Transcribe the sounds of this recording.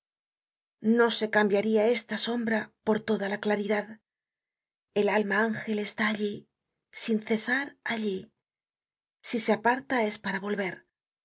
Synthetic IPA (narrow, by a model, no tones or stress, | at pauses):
no̞se̞kambjaɾiae̞st̪aso̞mbɾapo̞ɾt̪o̞ðalaklaɾiðað | e̞lalmaaŋxe̞le̞st̪aːʎi | sinθe̞saɾaʎi | siseapaɾt̪ae̞spaɾaβo̞lβe̞ɾ